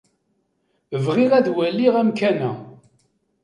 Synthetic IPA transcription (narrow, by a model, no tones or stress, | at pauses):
əvʁiʁæðwælːiʁæmkænæ̰